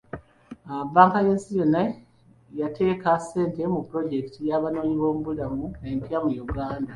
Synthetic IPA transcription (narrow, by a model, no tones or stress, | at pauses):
abaːŋkajensijo̞nːa | jatʰe̞ːkase̞ːnte̞mupuɾo̞ɟe̞kitijaβano̞ːɲiβo̞ːmuβudamunempjamujuɡaːnda